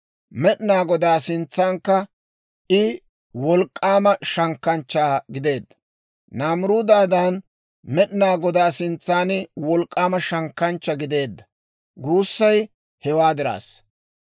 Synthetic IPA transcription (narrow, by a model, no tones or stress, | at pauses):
mɛɗnaːɡɔd̪aːsɪnt͡sːaːŋkːɐ | ʔɪ | wɔlkʼːaːmɐʃɐŋkːɐnt͡ʃːaːɡɪd̪e̞ːd̪ːɐ̥ | naːmʊɾuːd̪aːd̪aːn | mɛɗnaːɡɔd̪aːsɪnt͡sːaːnɪwɔlkʼːaːmɐʃɐŋkːɐnt͡ʃːɐɡɪd̪e̞ːd̪ːɐ | ɡuːsːɐj | hɛwaːd̪ɪɾa̰ːs